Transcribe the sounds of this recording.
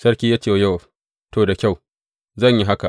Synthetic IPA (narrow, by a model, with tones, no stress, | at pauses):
sɐ˦rkʲiː˦jaː˦t͡ʃeː˦˨ja˦w | toː˨da˨kʲa˦˨w | zɐ˦˨ɲji˦ɦa˦ka˨